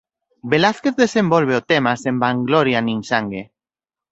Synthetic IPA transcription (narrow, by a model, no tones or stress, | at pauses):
belaθkeθðesembolβ̞eot̪emasembaŋɡloɾjanĩnsaŋɡe